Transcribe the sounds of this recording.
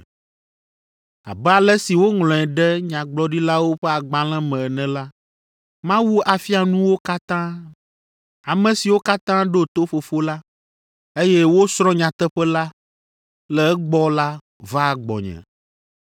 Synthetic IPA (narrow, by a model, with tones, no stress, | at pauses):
a̰˨bɛ˦a˨lɛ˦si˨wo˦ŋlɔ̃˨ɛ˨ɖɛ˦ɲã˨ɡ͡blɔ˦ɖi˦la˦wo˦ɸɛ˦a˨ɡ͡ba˨l̃ɛ̃˦mɛ̃˨nɛ̃˨la˦ | mã˦wu˦a˨fi˦a˨nũ˦wo˦ka˦t̪ã˦ | a˨mɛ̃˨si˨wo˦ka˦t̪ã˦ɖo˦t̪o˦fo˨fo˦la˦ | e˦jɛ˦wo˦sɾɔ̃˦ɲã˨t̪ɛ˦ɸɛ˦la˦ | lɛ˨ɛ˦ɡ͡bɔ˦la˦ | va˦˨ɡ͡bɔ̰˨ɲɛ̰̃˨